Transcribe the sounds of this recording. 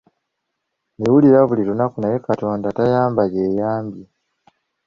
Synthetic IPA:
newuliɾaβuliɾunakunajekato̞ːndatajaːmbaɟeːjaːmbje

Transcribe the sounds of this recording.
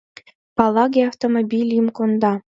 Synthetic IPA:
pɑlˠɑɡʲeaft̪omobʲilʲimkond̪ɑ

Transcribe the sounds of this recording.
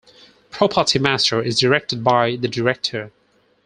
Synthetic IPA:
pʰɹ̥ɔpʰətʰimæstə˞ɪzdəɹɛk̚tɨd̚baɪðɨdəɹɛk̚tʰə˞

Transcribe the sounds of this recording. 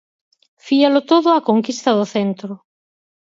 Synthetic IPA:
fialʊt̪oðʊakoŋkist̪ɐðʊθent̪ɾʊ

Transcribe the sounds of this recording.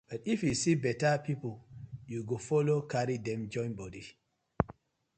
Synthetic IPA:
b̥atifjusibɛtapipuljuɡofɔlokaɾidɛ̃md͡ʒɔ̃j̃nbɔdi

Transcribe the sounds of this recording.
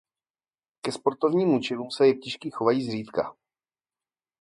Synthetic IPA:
kɛspo̞ɾt̪o̞vɲiːmut͡ʃɪluːmsɛjɛk̚cɛʃkiːxo̞vajiːzr̝iːt̪ka

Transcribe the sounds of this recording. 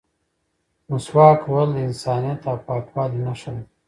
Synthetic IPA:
mʊswɑːkwɐld̪ɪnsɑːnijat̪awpɑːkwɑːlinaʃaw

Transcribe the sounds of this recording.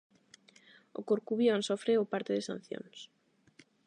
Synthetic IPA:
o̰koɾkuβjonsofɾeopaɾt̪eðɪsa̰n̟θjo̰ns

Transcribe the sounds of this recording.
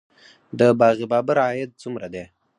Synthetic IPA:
d̪əbɑɣibɑbaɾɑjɪt̪̚t͡sumɾad̪e

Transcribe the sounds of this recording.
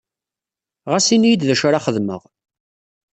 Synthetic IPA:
ʁasinjd̪ðæʃʊɾaχəðmə̰ʁ

